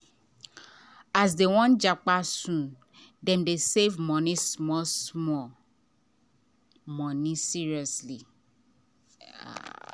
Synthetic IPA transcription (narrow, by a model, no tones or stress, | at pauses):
asdewɔ̃nd͡ʒak͡pasũ | dɛ̃mdesevmɔ̃nĩsmɔsmɔ | mɔ̃nĩsiɹiɔsli